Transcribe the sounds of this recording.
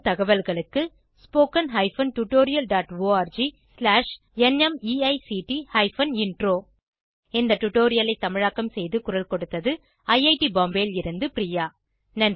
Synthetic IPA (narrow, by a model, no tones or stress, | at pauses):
t̪ɐɣɐʋɐlɣɐɭɯkːɯ | spoːkɐnɦɐɪfɐnʈʊʈːoːɾɪjɐlɖaːʈʋoːaːɾd͡ʒi | slaːʂ | ɛnɛmiːɐɪsiʈihɐɪfɐnɪɳɖroː | ɪnd̪ɐʈːʊʈːoːɾɪjɐlɐɪt̪ːɐmɪɻaːkːɐmsɛjðɯkʊɾɐlkɔɽɯt̪ːɐðɯ | ɐjɐɪʈibaːmbeːlɪɾɯnd̪ɯpɪɾɪjaː | nɐn